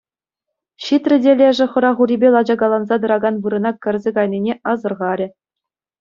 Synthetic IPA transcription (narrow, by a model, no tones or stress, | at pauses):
ɕit̪rʲɘ̆dʲelʲeʐɘ̆χɤ̆ɾɑʁuɾʲibʲelˠɑd͡ʑɑɡɑlˠɑnzɑd̪ɤ̆ɾɑɡɑnʋɯɾɤ̆nɑkʲɘ̆rʲzʲeɡɑjnʲinʲeʔɑzɤ̆rʁɑɾʲɘ̆